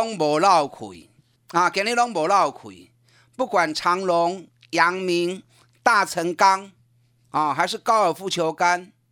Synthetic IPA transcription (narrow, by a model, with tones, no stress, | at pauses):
ŋbɔ˨˩la˥˨wkʰwḭ˨˩ | ã˨kɛ˧˦nli˦lɔ˦ŋbɔ˨˩la˥˧˩wkʰwḭ˨˩ | pu˥˩kwa˨˩nt͡sʰa˨˧˦ŋlo˨˦ŋ | ja˨˦ŋmi˨˦ŋ | t̪a˥˧˨t͡sʰə˧˦ŋka˦ŋ | a˨˩ɦa˧ɪʂɻ̩˥˨ka˦ʊə˨˩fu˥˧t͡ɕʰjo˧ka˦n